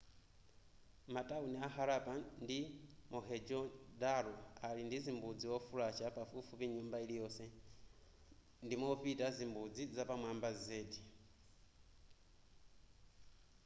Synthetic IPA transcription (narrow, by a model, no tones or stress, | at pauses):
matʼauniaɦaɾapandimɔɦɛd͡ʒɔdalɔalindizimbud͡ziwɔfulat͡ʃapafufupiɲumbailijɔsɛ | ndimɔpitazimbud͡zizapamwambazɛːdi